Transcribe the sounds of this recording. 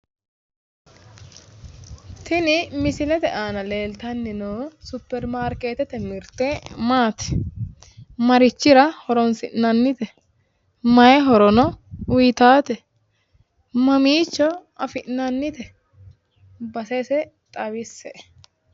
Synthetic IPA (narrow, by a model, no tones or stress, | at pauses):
t̪ɪnɪmɪsɪlɛt̪ɛʔaːnɐleːlt̪ɐnːɪnɔsʊpːɛɾmaːɾkeːt̪ɛt̪ɛmɪɾt̪emaːt̪ɛ̥ | mɐɾɪt͡ʃːɪɾɐhɔɾɔnsɪ̰ʔnɐnːɪt̪ɛ | mɐjɛɦɔɾɔnɔʊjt̪aːt̪ɛ | mɐmiːt͡ʃːɔɐfɪʔnɐnːɪt̪ɛ | bɐsɛsɛ | t̪ʼɐbɪsɛʔ